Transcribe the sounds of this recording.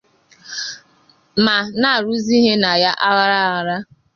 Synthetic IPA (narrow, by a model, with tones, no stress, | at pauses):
ma˨na˦˨ɾu˦zi˦ɦe˦na˨ja˦ʔa˦ɣa˦ɾa˦a˨ɾa˦